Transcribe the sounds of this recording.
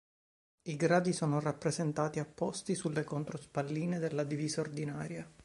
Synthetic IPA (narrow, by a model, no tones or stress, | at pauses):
iɡɾaːd̪isoːnorapːɾezent̪aːt̪iapːɔst̪isulːekont̪ɾospalːiːned̪elːad̪iviːzaord̪inaːɾja